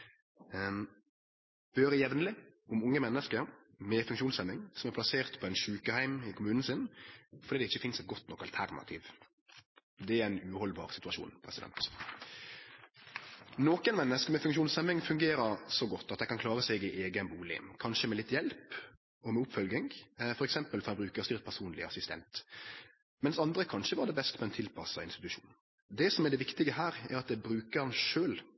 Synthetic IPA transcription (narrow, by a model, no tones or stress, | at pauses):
b̥øːɾəjɛʋnəlɪ | ʔʊmʊŋːəmɛnːəskəɾ | mɛfʉŋkʃuːnsɛmːɪŋsɔmæɾplɑseːʁt̪pʰɔɛnʃʉːkəhæɪmɪkʰʊmʉːnn̩sɪnfɔɾd̪iːd̪ɛɪçːəfɪnsɛt̪̚ɡɔt̪ːnɔkːɑlt̪ʰæɾnɑ̰t̪ʰiːʋ | d̪ɛæɾæɪnʉːhɔlbɑ̰ːʁsɪt̪ʉɑʃṵːnpʰɾɛ̰sɪd̪ɛ̰nt̪ | noːkənmɛnːəskəmɛfʉŋkʃuːnsɛmɪŋfʉŋɡeːɾəɾsɔɡɔt̪ːɑt̪̚d̪ɛɪkʰɑnkʰlɑːʁəsɛɡɪʔeːɡənbuːlɪ̰ːmkʰɑnʃəmɛlɪt̪ːjɛlp | ɔmɛʊpːfœlɡɪŋfɔɾɛksɛmpəlfɔɾhɑnbɾʉːkəɾst̪ʏʁt̪̚pʰæɾsuːnlɪɑ̰sɪst̪ʰɛ̰nt̪ | mɛnsɑnd̪ɾəkʰɑnʃəʋɑːɖ̪ɛbɛst̪pɔɛnt̪ʰɪlpʰɑsːɑɪnst̪ɪt̪ʉʂṵːn | d̪ɛsɔmɛɖ̪ɛʋɪkt̪ɪɡəɦæːɾɛ̰ɾɑt̪̚d̪ɛbɾʉːkəɾhɑnʃøːl